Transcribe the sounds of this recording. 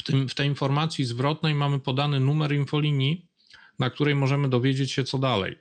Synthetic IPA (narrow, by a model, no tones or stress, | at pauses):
ft̪ɘmft̪ɛjinfɔɾmat̪sʲjizvɾɔt̪̚nɛjmamɘpɔd̪anɘnumɛɾinfɔlʲiɲi | nak̚t̪uɾɛjmɔʐɛmɘd̪ɔvʲjed͡ʑet͡ɕɕɛt̪sɔd̪alɛ̰j